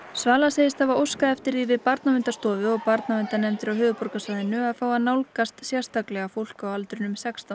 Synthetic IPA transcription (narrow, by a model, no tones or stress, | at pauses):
svaːlaseːjɪst̪avaowskaɛft̪ɪɾðiːvɪpaɾt̪namɪnt̪ast̪ɔːvʏɔɣpaɾt̪naɪnt̪anɛmt̪ɪɾawɦʏːvʏpɔɾkasvajðɪnʏaðfaːwanawlkast̪sjɛr̥st̪aklɛɣafowl̥kawalt̪ɾʏnʏmsɛkst̪a